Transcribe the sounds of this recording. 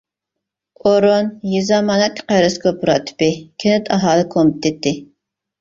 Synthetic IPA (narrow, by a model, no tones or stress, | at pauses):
oɾonjizɑmɑːnɛt̪ʰːqæɾɨskʰopuɾɑt̪ʰɨ̥pɪkʲʰenɪt̪ʰɑɦɑːlˠɨkʰomp̚t̪ʰet̪ʰːɪ